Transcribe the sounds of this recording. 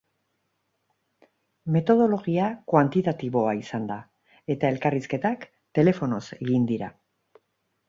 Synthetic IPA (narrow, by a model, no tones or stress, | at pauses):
me̞t̪o̞ð̞o̞lo̞ɣ̞iakwant̪it̪at̪iβo̞aisand̪a | e̞t̪ae̞lkariske̞t̪ak | t̪e̞le̞fo̞no̞se̞ɣind̪iɾa̰